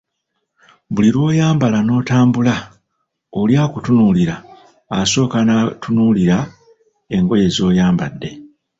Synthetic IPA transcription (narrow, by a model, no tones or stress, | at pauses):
βuliɾwo̞ːjaːmbalano̞ːtaːmbula | oljaːkutunuliɾaː | so̞ːkanatunuliɾa | e̞ŋɡo̞je̞zo̞ːjaːmba̰dːe̞